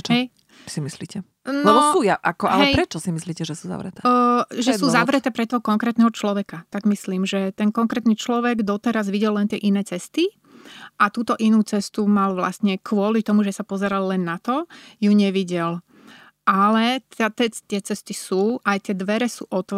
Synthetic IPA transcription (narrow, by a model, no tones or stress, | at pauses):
ɛt͡ʃɦɛj | simislḭːcɛ | nlɔbɔsuːjaʔakɔʔalɦɛjpɾɛt͡ʃɔsimisliːcɛʒɛsuːza̰ʋɾɛ̰t̪ɛʒɛsuːzaʋɾɛtt̪ɛːpɾɛt̪ɔɦɔkɔŋkɾɛːt̪nɛɦɔt͡ʃlɔʋɛkat̪aɡmisliːmʒɛt̪ɛnkɔŋkɾɛːt̪niːt͡ʃlɔʋɛɡd̪ɔt̪ɛɾazʋiɟɛlːɛnt̪ɪɛʔinɛːt͡sɛst̪i | ʔat̪uːt̪ɔʔinuːt͡sɛst̪umalʋla̰st̪ɲɛkʰʋʊɔlit̪ɔmuʒɛsapɔzɛɾalːɛnːat̪ɔjuɲɛʋiɟɛl | ʔalɛt̪at̪ɛt̪ɪɛt͡sɛst̪isuːʔajt̪ɪɛd̪ʋɛɾɛsṵːʔɔt̪ɔ